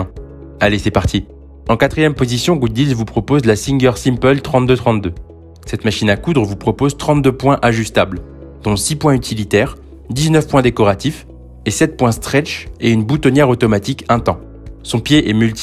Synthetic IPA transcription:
alesɛpaʁt̪ʰi | ɑ̃kat̪χijɛmpozisjɔ̃ɡud̪̚d̪izvupχɔpozlasiŋɡʲœʁsimpœlt̪χɑ̃t̪̚d̪øt̪χɑ̃t̪̚d̪ø | sɛt̪maʃinakud̪ʁəvupχɔpozt̪χɑ̃t̪̚d̪øpwɛ̃ʔaʒyst̪abl | d̪ɔ̃sipwɛ̃yt̪ʰilit̪ɛːʁ | d̪iznœfpwɛ̃d̪ekɔʁat̪if | esɛt̪̚pwɛ̃st̪χɛt͡ʃeynbut̪ɔnjɛʁot̪ɔmat̪ikɛ̃t̪ɑ̃ | sɔ̃pjeʔɛmylt̪

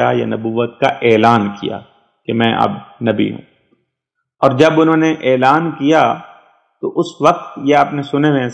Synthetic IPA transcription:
ajanɐbuːʋət̪̚kaʔeːlaːnkḭja̰ː | kemɛ̃ʔɐ̰bnɐbḭɦṵ̃ː | ɔːɾd͡ʒɐbʊnɦõːneʔeːlaːnkija | t̪oʔʊsʋɐq̚t̪jeaːpnesʊneʋẽ

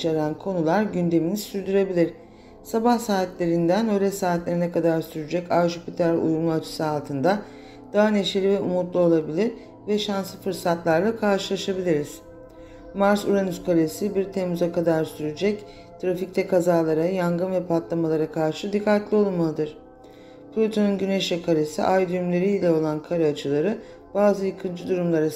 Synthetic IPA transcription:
ʃaɾænkʰo̞nulˠaɾɟynd̪e̞minisyɾd̪yɾe̞bilʲiɾ̥ | sabahsaːt̪lʲe̞ɾind̪ænølʲɛsaːt̪lʲeɾinɛkad̪aɾsyɾyd͡ʒɛcaɾʒupʰit̪ʰalʲṵjumuat͡ʃʰɯ̥sɯalˠt̪ʰɯnd̪a | d̪̥aɦane̞ʃelʲivɛʔumut̪lˠuo̞lˠabilʲiɾ | vɛʃansɯfɯɾsat̪lˠaɾlˠakʰaɾʃɯlˠaʃabilʲiɾiz̥ | maɾsuɾanyskʰalʲesibiɾt̪ʰemuzakʰad̪aɾsyɾyd͡ʒɛc | t̪ʰɾafic̚t̪ʰɛkʰazaːlˠaɾajaŋɡɯnvɛpʰat̪lˠamalˠaɾakʰaɾʃɯd̪ikʰːat̪lʲio̞lˠmalˠɯd̪ɯɾ̥ | plʲot̪ʰonunɟyneʃɛkʰaɾʲesḭʔajd̪yymlʲe̞ɾiːlʲɛo̞lˠankʰaɾaat͡ʃʰɯlˠaɾɯ | b̥aːzɯjɯkʰɯnd͡ʒʰɯd̪uɾumlˠaɾa

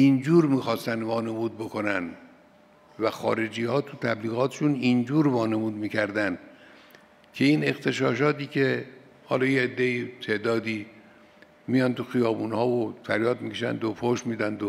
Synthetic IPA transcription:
ʔind͡ʒuːɾmiːxɒːst̪ænd̪vɒːne̞muːd̪̚bo̞kʰo̞nænd̪ | væxɒ̰ːɾe̞d͡ʒiːhɒːt̪ʰut̪ʰæbliːɣɒːt̪ʰeʃunind͡ʒuːɾvɒːne̞muːd̪miːkʰæɾd̪ænd̪ | kʰe̞iːne̞xt̪ʰe̞ʃɒːʃ̬ɒːt̪iːkʰe̞ | hɒ̰ːlɒːjeed̪ːeit̪ʰe̞ʔd̪ɒːd̪iː | mijɒnt̪uxijɒːbuːnhɒːvofæɾjɒːd̪̚mikʲʰeʃæ̰nd̪opʰoʃmiːd̪ænd̪o

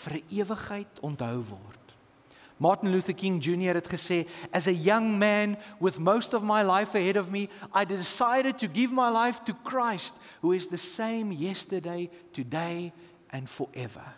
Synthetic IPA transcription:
fəɾəʔiəvəχɦəɪtʰɔntɦəwvɔ̰rt | mɑrtən̩luθəkɪ̃ŋd͡ʒʉnjəɾɦɛtχəseːʔəzəjɐŋmænwəðmoʊstɔvmajlajfəɦɛɾɔvmiʔaɪdɪsaɪɾəd̚tuɡɪvmajlajftukʰɹajst | ɦuɪzðəsẽɪ̃mjɛstədeɪtʰudeɪ | ʔæ̃nfɔɹʔɛvə̰

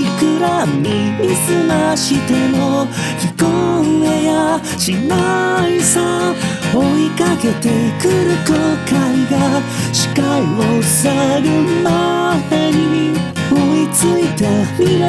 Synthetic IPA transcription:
ikɯɾamimisɨmaɕit̪enokʲikoeja | ɕinaisa | oikake̞t̪e̞kɯɾɯ̟kokaiɡa | ɕi̥kaiosaɾɯmad̪eɲii | oit͡sɨit̪emi

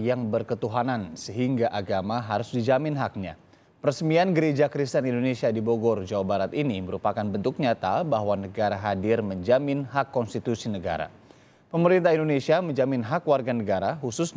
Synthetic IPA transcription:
jaŋbərkət̪uɦanansəɦiŋɡaʔaɡamaɦaɾʊsdid͡ʒamɪnɦak̚ɲa̰ | pəɾəsmianɡəɾed͡ʒakɾist̪ənindonesiadiboɡɔrd͡ʒawabaɾat̪iniməɾupakanbənt̪uk̚ɲat̪abaɦwanəɡaɾaɦadɪrməɲd͡ʒamɪnɦakːɔnst̪it̪usinəɡa̰ɾa̰ | pəməɾint̪aɦindonesiaməɲd͡ʒamɪnɦakwarɡanəɡaɾaɦusʊs

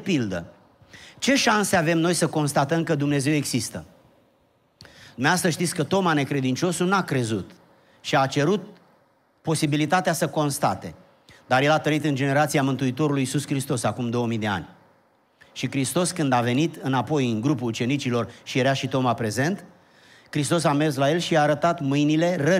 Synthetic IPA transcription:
pild̪ə | t͡ʃe̞ʃanseave̞mno̞jsəko̞nst̪at̪əmkəd̪umne̞ze̞we̞ɡzist̪ə | d̪umeast̪əʃt̪it̪sʲkət̪o̞mane̞kɾe̞d̪int͡ʃo̞sunakɾe̞zut̪ | ʃiat͡ʃe̞ɾut̪̚ | po̞sibilit̪at̪easəko̞nst̪at̪e̞ | d̪aɾje̞lat̪əɾit̪ɨnd͡ʒe̞ne̞ɾat̪siamɨnt̪uit̪o̞ɾulujːsuskɾist̪o̞sakumd̪o̞wəmijd̪e̞a̰nʲ | ʃikɾist̪o̞skɨnd̪ave̞nit̪ɨnapo̞jɨŋɡɾupuut͡ʃe̞nit͡ʃilo̞rʃijeɾaʃit̪o̞mapɾe̞ze̞nt̪ | kɾist̪o̞s̬ame̞rs̬laje̞lʃiaːɾət̪at̪mɨjnile̞rə

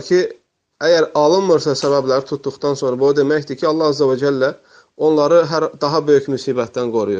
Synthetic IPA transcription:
cʰi | æjæɾɑlˠɯnmɯɾsɑsæβæblæɾt̪ʰut̪̚d̪uχt̪ɑnso̞nɾɑbod̪e̞mæçd̪icʰiɑlˠːɑhæzːævɑd͡ʒælːæ | o̞nlˠɑɾɯɦæɾd̪ɑɦɑbø̞jycmysiːbæt̪̚d̪ænɡo̞ɾujuɾ

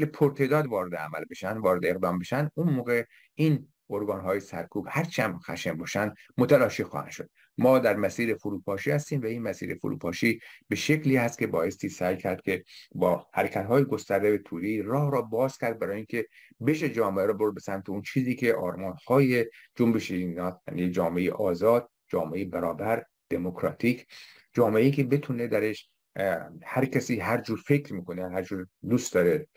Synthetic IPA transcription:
lepʰoɾt̪ʰed̪ɒːd̪vɒːɾe̞d̪eæ̰mæ̰lbe̞ʃænd̪vɒːɾe̞d̪eeɣd̪ɒːmbe̞ʃænd̪unmoːɣe̞ | ʔiːn | oɾɡɒːnɦɒːjesæ̰ɾkʰuːb̥hæɾt͡ʃʰæmxæ̰ʃembɒːʃænd̪mot̪ʰælɒːʃixɒ̰ːhæ̰n̥ʃo̞̰d̪̚ | mɒːd̪æɾmæsiːɾefoɾuːpʰɒːʃiːhæst̪iːmvæiːnmæsḭːɾefo̰ɾṵːpʰɒːʃiːb̥e̞ʃekʰliːhæst̪̚cʰʲe̞bɒːje̞st̪iːsæjcʰæɾd̪̚kʲʰe̞bɒːhæɾekʰæt̪ɦɒːjeɡost̪æɾd̪ebet̪ʰuːd̪eiːrɒːhɾɒːbɒːz̥cʲʰæɾd̪̚bæɾɒːjeiŋcʲʰe̞ | be̞ʃed͡ʒɒːmeʔæɾɔːboɾd̪besæmt̪ʰeunt͡ʃʰiːziːkʰe̞ʔɒːɾmɒːnhɒːje̞d͡ʒombeʃenɒːt̪ja̰ːniːed͡ʒɒːmeejḛʔɒːzɒːd̪̥̚ | d͡ʒɒːmeʔejebæɾɒːbæɾ | d̪̥e̞mokʰɾɒːt̪ʰiːkʰ | d͡ʒɒːmeʔeiːkʰe̞be̞t̪ʰune̞d̪æɾe̞ʃ | hæɾkʰæsiːɦæɾd͡ʒuːɾfe̞kɾmiːkonehæɾd͡ʒuːɾd̪ust̪d̪ɒːɾe

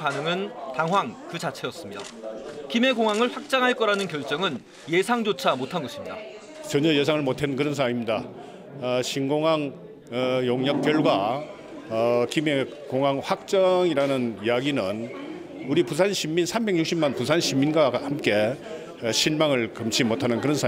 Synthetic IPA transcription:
panɯŋɯntaŋɦwaŋkɯt͡ɕat͡ɕʰe̞ʌs͈ɯmɲida̰kime̞koŋɦaŋɯɭɸwak̚t͡ɕ͈aŋɦaɭk͈ʌɾanɯnkjʌɭt͡ɕ͈ʌŋɯn | je̞sʰaŋd͡ʑot͡ɕʰamotʰanɡʌɕʰimɲida̰ | t͡ɕʌɲʌjes̬ʰaŋɯɭmotʰenɯnkɯɾʌns̬ʰaŋimɲida | ɕʰinɡoŋɦaŋ | joŋɲʌk̚p͈jʌɭɡwa | kime̞ | koŋɦaŋɸwak̚t͡ɕ͈ʌŋiɾanɯnijaɡinɯn | uɾipusʰanɕʰimːinsʰambe̞ŋɲuk̚ɕ͈ʰimːanpusʰanɕʰimːinɡahamk͈e̞ | ɕʰiɭmaŋɯɭkɯmt͡ɕʰimotʰanɯnkɯɾʌnsʰa

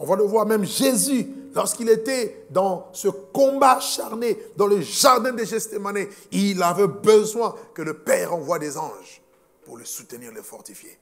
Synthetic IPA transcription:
ɔ̃valəvwaʁmɛ̃mʒezylɔʁskilet̪ɛd̪ɑ̃səkɔ̃baʃaʁned̪ɑ̃ləʒaʁd̪ɛ̃d̪eʒɛst̪emaneilavɛbəzwɛ̃kələpɛːʁɑ̃vwad̪ezɑ̃ʒ | puʁləsut̪əniːʁlefɔʁt̪ifjḛ

